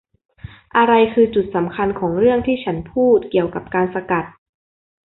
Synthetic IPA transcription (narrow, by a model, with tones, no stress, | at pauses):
ʔa˧ɾa˧jkʰɯː˧t͡ɕu˨˩t̪̚sa˩˦mkʰa˧nkʰɔː˩˦ŋɾɯ˥˩əŋt̪ʰiː˥˩t͡ɕʰa˦˥npʰuː˥˩t̪̚ki˨˩əwka˨˩p̚kaː˧nsa˧ka˨˩t̪̚